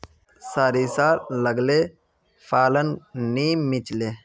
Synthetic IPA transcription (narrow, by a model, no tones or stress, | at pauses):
saːɾisaːləɡleː | fʰaːlənniːmit͡ʃleː